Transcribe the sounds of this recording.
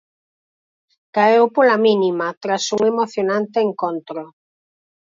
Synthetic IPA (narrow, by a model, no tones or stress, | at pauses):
kaewpolaminimat̪ɾasuŋemoθjonãnt̪eːŋkont̪ɾo